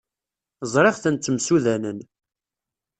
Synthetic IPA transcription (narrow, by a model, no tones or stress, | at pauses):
zˤɾˤeʁθənt͡s̪ːəmsuðænən